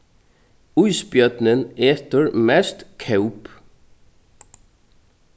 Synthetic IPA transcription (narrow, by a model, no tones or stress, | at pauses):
ujspjœt̪nɪnɛːt̪ʏɾmɛst̪kʰœwp